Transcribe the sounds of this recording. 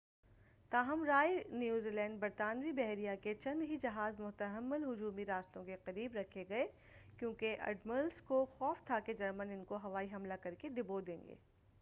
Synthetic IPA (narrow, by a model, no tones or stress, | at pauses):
t̪aːɦɐmɾaːjnjuːziːlɛ̃ːɳɖ̚bɐɾt̪aːnʋibɛɦɾijaket͡ʃɐ̃nd̪ɦid͡ʒɐɦaːzmʊt̪əɦəmːʊlɦʊd͡ʒuːmiɾaːst̪õkeqɐɾiːbɾɐkʰeɡɐe | kjõːkeʔɐ̰ɖməlskoxɔːft̪ʰaked͡ʒɐɾmənɪnkoɦɐʋaːiɦɐmlakɐɾkeɖɪbod̪ẽːŋɡḛː